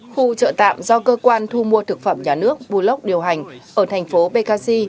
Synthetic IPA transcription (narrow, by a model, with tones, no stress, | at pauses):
xu˧t͡ɕə̰ː˧˨t̪a̰ː˧˨mzɔ˧kəː˧kwaː˧nt̪ʰu˧mu˧ət̪ʰɨ˨˩k̚fə˧˩mɲaː˨˩nɨ˦˥ək̚ɓu˧˩lə˦˥wk͡p̚ɗi˨˩əwɦa˨˩jŋ̟ʔəː˧˩t̪ʰɛ˨˩jŋ̟fo˨˦ɓe˧ɣaː˧si˧